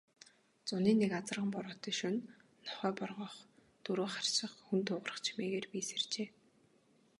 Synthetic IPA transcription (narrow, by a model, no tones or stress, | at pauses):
t͡sʊniːnːekat͡sə̆rʁə̆mpɔɾɔːt̪iːʃunː | ɔχœːpɔrʁɞ̆ːχ | t̪uɾoːχar̥ʃɪ̆χxunt̪ʰʊːʁə̆rə̆χt͡ɕʰi̥meːɣeːrpiːsert͡ɕeː